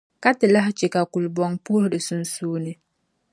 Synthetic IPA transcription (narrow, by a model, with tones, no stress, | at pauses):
ka˦tɪ˨la˦ɦt͡ʃɛ˨ka˨ku˨lbɔ˨ŋpu˦hdɪ˨su˨nsuː˦nɨ˦